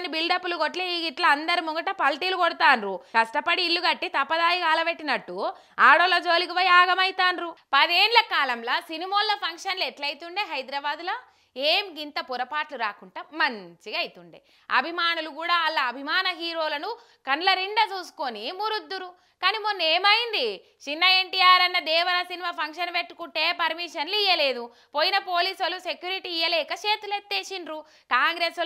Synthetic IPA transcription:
nibilɖɐpːulukoʈleiːɡiʈlɐɐnd̪ɐɾimuɡɐʈɐpɐlʈiːlukɔɽɐt̪aːnɾukɐʂʈɐpɐɽiːlːuɡɐʈːit̪ɐpːɐd̪aːjikaːlɐbeʈːinɐʈːu | aːɽoːlod͡ʒo̞ːlik̬iʋɐjaːɡɐmɐjt̪aːnɾupɐd̪eːnlɐkaːlɐmlaːsinimoːlːɐpʰɐŋkʂɐnleʈlɐjit̪uɳɖeːɦɐjd̪ɾɐbaːd̪loː | eːmɡint̪ɐpuɾɐpaːʈluɾaːkuɳʈaːmɐɲt͡ʃiɡɐjit̪uɳɖḛː | ɐ̰bʱimaːnulukuːɽaːɐlːɐːbʱimaːnɐɦiːɾo̞ːlɐnu | kɐnlɐɾiɳɖɐt͡ʃuːsu̥konimuɾud̪ːuɾu | kaːnimonːeːmɐjind̪i | t͡ʃinːɐeɳʈijaːɾɐnːɐd̪ɛːʋɐɾɐsinimaːpʰɐŋkʂɐnpeʈːu̥kuɳʈe̞ːpɐɾmiːʂɐnliːjɐleːd̪u | poːjinɐpo̞ːliːsɐlusekjuːɾiʈiːjɐlɛːkɐt͡ʃeːt̪ulet̪ːeːt͡ʃinɾu | kaːŋɡɾeːs

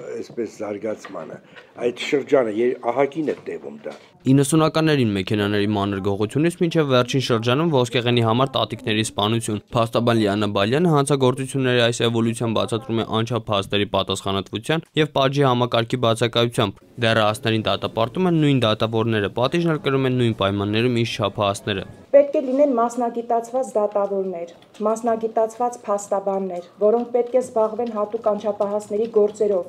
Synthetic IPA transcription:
ɛspɛszɑɾɡɑt͡sʰmɑ̰nə̰ɑjt̪ʃəɾd͡ʒɑnəjɛɑɦɑkinɛt̪ɛvṵmd̪ɑ̰ | inːəsunɑkɑnːɛɾinmɛkʰɛnɑnɛɾimɑnəɾɡɔʁut͡sʰjunit͡sʰmint͡ʃʰɛvːɛrt͡ʃʰinʃəɾd͡ʒɑnumvɔskʰɛʁɛniɦɑmɑɾt̪ɑt̪iknɛɾispɑnut͡sʰjunpʰɑst̪ɑbɑnliɑnɑbɑljɑnəɦɑnt͡sʰɑɡɔɾt͡sut͡sʰjunːɛɾiɑjsɛvɔlut͡sʰjɑnbɑ̰t͡sʰɑt̪ɾumɛʔɑnt͡ʃʰɑpʰhɑst̪ɛɾipɑt̪ɑsχɑnɑt̪vut͡sʰjɑnjɛvpɑʒihɑmɑkɑɾkʰibɑt͡sʰɑkɑjut͡sʰjɑmb | d̪ɛrɑɑsnɛɾind̪ɑt̪ɑpɑɾt̪umɛnːujnd̪ɑt̪ɑvɔɾnɛɾəpɑt̪iʒnɛlkəɾumɛnːujnpɑjmɑnːɛɾumint͡ʃt͡ʃʰɑpʰɑɑsnɛɾə̰pɛt̪̚kʰɛlinɛnmɑsnɑɡit̪ɑt͡sʰvɑt͡sd̪ɑt̪ɑvɔɾnɛɾ | mɑsnɑɡit̪ɑt͡sʰvɑt͡spʰɑst̪ɑbɑnːɛɾvɔɾɔŋk̚ʰpɛt̪̚kʰɛzbɑʁvɛnɦɑt̪ukɑnt͡ʃʰɑpʰɑɦɑsnɛɾiɡɔɾt͡sɛɾɔv

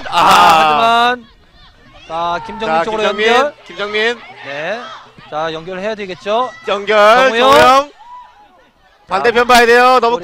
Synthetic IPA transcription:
aad͡ʑian | akimd͡ʑʌaikoiɯɾod͡ʑŋminkimd͡ʑʌŋminnet͡ɕajʌŋɡjʌɭhe̞jadweɡet̚t͡ɕ͈ojʌŋɡjʌɭʌjʌŋ | pandepʰjʌnbajede̞jonʌmu

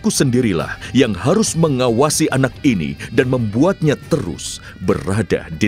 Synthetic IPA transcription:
kusəndiɾila̰hjaŋhaɾʊsməŋawasiʔanak̚inḭdanməmbuat̪̚ɲat̪əɾʊ̰s | bərada̰di

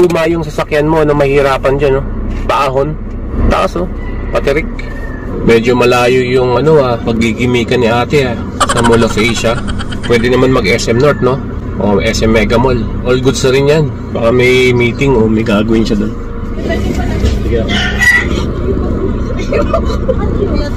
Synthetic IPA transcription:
umajʊŋsɐsɐkjanmoɐnomɐhɪɾaːpɐnd͡ʒanopɐʔaːɦo̞n | t̪ɐʔɐso | pɐt̪ɪɾɪk̚ | mɛːd͡ʒomɐlaːjojʊŋɐno̞apɐɡ̚ːiɡɪmiːkɐnːɪʔaːt̪ɪa | sɐmolofɛjʃɐ | pwɛːd̪ɪnɐmanmɐɡʔɛsʔɛmnoɹt̪̚no̞ | ʔo̰ʔɛsʔɛmːɛɡɐmolʔolɡʊd̪sɐɾɪnjan | bakamɛjmiːt̪ɪŋomɐjɡaːɡɐwɪnʃɐd̪on | sɪɡaʔ

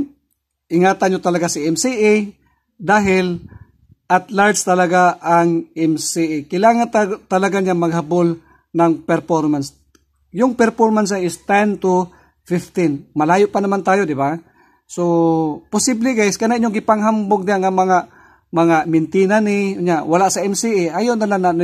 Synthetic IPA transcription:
ʔɪŋaːt̪ɐnɲot̪ɐlɐɡasɪʔɛmsiʔɪ | d̪aːɦɪl | ʔɐt̪laɹd̪st̪ɐlɐɡaʔaŋʔɛmsiʔɪkɪlaːŋant̪t̪ɐlɐɡaɲaŋmɐɡ̚habol | nɐŋpɛɾfoɾmans | jʊŋpɛɾfoɾmans̬aŋɪst̪ɛnt̪u | fɪft̪ɪnmɐlaːjoʔpanɐmant̪aːjod̪ɪba | sopʊsiblɪɡaʔɪskɐnaʔɪɲːoŋɡɪpaŋɦamboɡ̚d̪ɪjaʔŋamɐŋa | mɐŋamɪnt̪iːnanɪʊɲawɐlaʔsɐʔɛmsiʔɪʔajoʔnɐlanan

